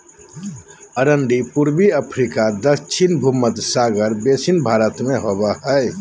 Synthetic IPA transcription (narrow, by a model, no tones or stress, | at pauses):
əɾəɳɖipuɾbiəpʰɾikad̪ət͡ʃʰinbʱumət̪saːɡəɾbesinbʱaːɾət̪mẽɦobaɦɛe